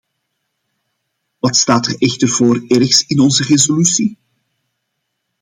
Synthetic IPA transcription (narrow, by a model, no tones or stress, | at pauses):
ʋɑtstaːtərɛxtərv̥oːrɛrxsɪnɔnzərezolysi